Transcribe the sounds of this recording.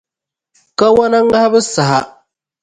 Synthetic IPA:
ka˦wa˦na˦ŋː˦a˦a˦bɨ˦sa˨ɦa˦

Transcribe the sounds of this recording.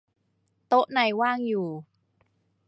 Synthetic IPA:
t̪o˦˥ʔna˧jwaː˥˩ŋjuː˨˩

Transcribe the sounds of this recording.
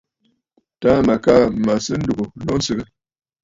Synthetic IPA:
ta˦ma˨ka˦˨ma˨sɨ˦n̩˦du˨ɡu˨lɔ˦n̩˦sɨ˦ɡə˦

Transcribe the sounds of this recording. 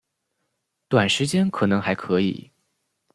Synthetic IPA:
t̪wa˨˩nʂɻ̩˧˥t͡ɕjɛ˥nkʰɤ˨˩nɤ˧˥ŋxa˧˥ɪkʰɤ˧˥ḭ˨˩˦

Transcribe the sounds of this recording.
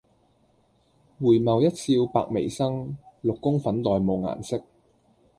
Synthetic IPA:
wuː˨˩jmɐ˨wjɐ˥t̚t͡sʰiː˧wpa̰ː˨k̚mḛ˨˩jsɐ˥ŋlʊ˨kːʊ˥ŋfɐ˨˥nt̪ɔː˨jmo˨wŋa̰ː˨˩nsɪ˥k̚

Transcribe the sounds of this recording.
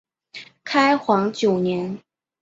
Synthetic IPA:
kʰa˥ɪxwɑ˧˥ŋt͡ɕjo˨˩ʊnjɛ˧˥n

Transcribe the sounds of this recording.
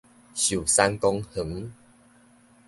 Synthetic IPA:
ɕju˨˩sa˧˦nkɔ˧ŋhə˨˦ŋ

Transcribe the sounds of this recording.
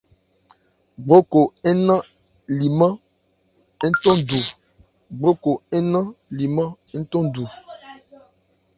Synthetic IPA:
ɡ͡bo˦ko˨e˦nã˦ | li˨mã˦ | e˦n̩˦tɔ̃˦du˨ | ɡ͡bo˦ko˨e˦nã˦li˨mã˦ | e˦n̩˦tɔ̃˦du˨

